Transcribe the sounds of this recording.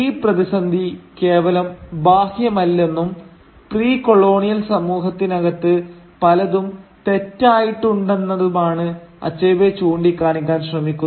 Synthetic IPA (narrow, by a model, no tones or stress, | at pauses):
iːprɐðisɐnd̪ʱike̞ːʋɐlɐmbaːhjɐmɐlːe̞nːum | priːko̞ɭo̞ːɳijɐlsɐmuːɦɐt̪ːinɐɣɐt̪ːɨ | pɐlɐðumt̪e̞tːaːjiʈːuɳɖe̞nːɐðumaːɳɨɐ̰t͡ɕːejʋet͡ɕuːɳɖikʲːaːɳikʲːaːnɕrɐmikʲːun